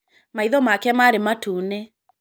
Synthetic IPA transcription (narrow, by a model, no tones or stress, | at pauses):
maiðɔmakɛmaɾematuːne